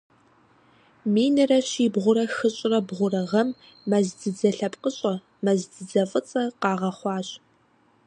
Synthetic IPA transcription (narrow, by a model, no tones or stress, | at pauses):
miːnɨrɐɕiːbʁʷʊɾɐxɨɕʼɪrɐbʁʷʊrɐʁɐmː | ɐzdɨd͡zɐɬɐpʼqʼəɕʼɐ | mɐzdɨd͡zɐfʼɨt͡sʼɐqɑːʁɐχʷɑːɕʼ